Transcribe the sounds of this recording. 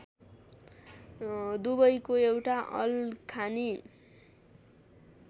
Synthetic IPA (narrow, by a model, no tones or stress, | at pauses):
d̪ubʌjkoewʈaʔʌ̰lkʰani